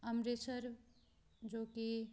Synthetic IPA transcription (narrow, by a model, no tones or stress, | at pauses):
əmɾet͡ʃʰəɾ | d͡ʒoki